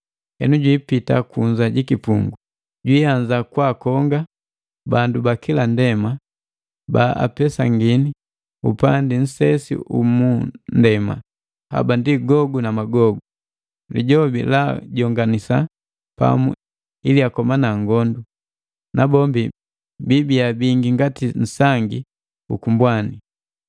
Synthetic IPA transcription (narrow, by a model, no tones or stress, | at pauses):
hɛ̰nuɟwiːpitakuɲzaɟikipuŋɡu | ɟwiːaɲd͡ʒakwakɔŋɡa | bandubakilandɛma | baa̰pɛsaŋɡini | ṵpandin̩sɛsḭʔṵmundɛma̰ | ha̰bandiɡɔɡunamaɡɔɡu | lḭɟɔbḭlaɟɔŋɡanisa | pa̰mṵ | iliakɔmanaŋɡɔndu | nabɔmbi | bibiabiŋɡiŋɡatin̩saŋɡi | ukumbwani